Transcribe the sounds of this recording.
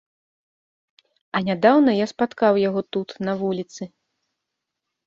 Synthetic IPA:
ɐnʲad̪awnɐjaspat̪kawjaɣɔt̪ut̪nɐvulʲit̪sɨ

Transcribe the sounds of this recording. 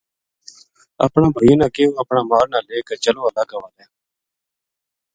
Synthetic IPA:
ə̰pɳãːbʱəjõːnãːkeːõːəpɳãːmaːɾnaːleːkəɾt͡ʃəloːaːlaːɡəʋaːleː

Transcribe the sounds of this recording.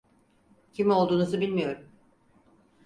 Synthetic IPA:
cʰimo̞lˠd̪uːnuzɯbilʲmijo̞ɾum

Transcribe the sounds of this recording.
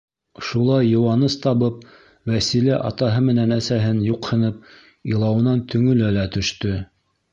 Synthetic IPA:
ʃulˠɑjːɤ̆wɑnɤst̪ɑβɤp̚ | wæsilæʔɑ̰t̪ɑɦɤmɘ̆nænæsæɦɘnjuqhɤ̆nɤp̚ | ilˠɑwɤ̆nɑnt̪ʰɵ̆ŋɵ̆lælæt̪ɵ̆ʃt̪ɵ

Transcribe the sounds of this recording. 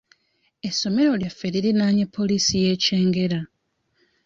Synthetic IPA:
e̞sːo̞me̞ɾo̞ljafːeɾiɾinaːɲepʰːo̞lisije̞ːce̞ːŋɡe̞ɾa

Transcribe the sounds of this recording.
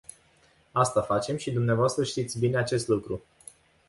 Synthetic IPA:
ast̪afat͡ʃe̞mʃid̪umneavoast̪ɾəʃt̪it̪sʲbine̞at͡ʃe̞st̪lukɾu

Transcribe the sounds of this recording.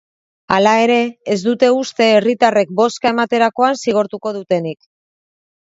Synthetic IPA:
alae̞ɾe̞ːzd̪ut̪e̞ust̪e̞ːrit̪are̞k̚bo̞skae̞mat̪e̞ɾako̞ansiɣ̞o̞ɾt̪uko̞ðut̪e̞nik

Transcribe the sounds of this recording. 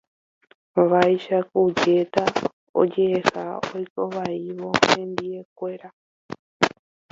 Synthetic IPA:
ʋajʃakud͡ʒet̪a | o̰d͡ʒeːsa̰ojkoβaiβoend̪iek̚weɾa

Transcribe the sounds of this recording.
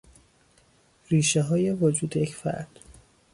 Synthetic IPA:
riːʃeɦɒːje̞vod͡ʒuːd̪ejecʰfæ̰ɾd̪̥

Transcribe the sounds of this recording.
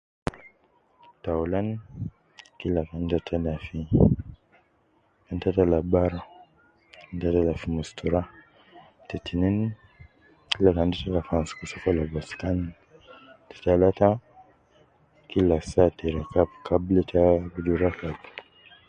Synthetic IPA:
tawlan | kilakandatʰalafi | kantatalabaɾa | kantatalafimustuɾa | titinin | kilakandatalafanskusafalabaskan | ti̥talata | kilasatiɾakapkabletʰabuduɾakab

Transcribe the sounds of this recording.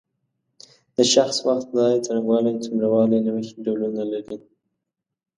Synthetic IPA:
d̪̥əʃaxswaxt̪̚d̪ɑjat͡saɾaŋɡwɑlet͡sʊmɾawɑlenawəxeɖawlunalaɾi

